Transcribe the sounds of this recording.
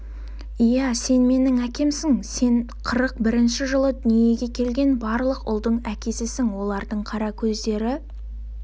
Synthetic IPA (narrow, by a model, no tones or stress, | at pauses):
ijæse̞nme̞nɪŋækʲe̞msɪŋse̞n | qʰəɾəq̚bɪɾɪnʃɪʒəlˠəd̪ʏnije̞ɡʲe̞kʲʰe̞lɡʲe̞nbɑɾlˠəqʊ̰lˠd̪əɴækʲe̞sɪsɪŋwo̞lˠɑɾd̪əɴqʰɑɾɑkʲʰɵzd̪e̞ɾɪ